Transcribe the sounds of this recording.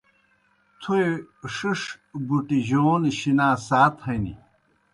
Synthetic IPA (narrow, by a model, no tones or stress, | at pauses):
t̪ʰueʂiʂbuʈiʑoːniɕinaːsaːt̪hɐnḭ